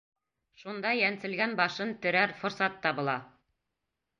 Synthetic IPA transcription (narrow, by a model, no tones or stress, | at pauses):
ʃund̪ɑjænsɘ̆lɡænbɑʃɤnt̪ɵ̆ɾæɾfŏɾsɑt̪ːɑβɤ̆lˠɑ